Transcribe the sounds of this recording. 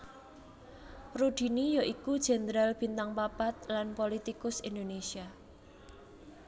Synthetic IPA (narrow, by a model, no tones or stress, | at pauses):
rud̪̥i̤nijoʔikud̥ʒ̥ɛ̤nd̪ɾalb̥i̤nt̪aŋpapat̪̚lanpolit̪ikʊsind̪onesia